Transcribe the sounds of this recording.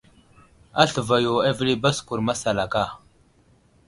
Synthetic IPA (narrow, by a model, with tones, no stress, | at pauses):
a̰˦ɬə˨va˨jo˨a˦vli˦ba˦sku˨ɾma˦sa˨la˨ka˦˨